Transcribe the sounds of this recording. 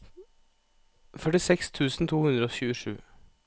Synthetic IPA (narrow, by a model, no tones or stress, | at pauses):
fœʈɪsɛkst̪ʰʉːsn̩t̪ʰuːhʉnd̪ɾəoːçʉːəʂʉ̰ː